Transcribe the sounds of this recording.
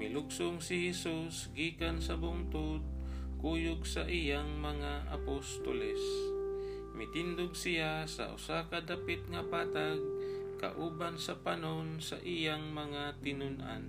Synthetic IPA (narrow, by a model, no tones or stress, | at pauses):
mɪlʊɡsoŋsɪhɛsusɡiːkansɐbʊŋt̪ʊd̪̚kuːjʊɡsɐʔijaŋmɐŋaʔa̰post̪o̰lɛs | mɪt̪ɪnd̪ʊɡ̚sɪjasɐ̰ʔʊ̰sakad̪apɪt̪̚ŋɐpaːt̪aɡ̚kɐ̰ʔuːbansɐpanonsɐʔijaŋmɐŋat̪ɪnʊnʔa̰n